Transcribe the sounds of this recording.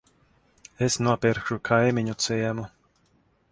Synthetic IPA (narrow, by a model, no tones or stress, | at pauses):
esnuɔpiɾkʃukʰajmiɲut̪sɛjɛmu